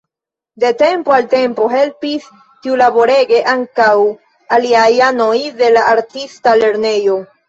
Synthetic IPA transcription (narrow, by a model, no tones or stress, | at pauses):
de̞te̞mpoalte̞mpo̞ɦe̞lpis | tiulabo̞ɾe̞ɡe̞ʔaŋkaw | aliajano̞jde̞laaɾtistale̞ɾne̞jo̞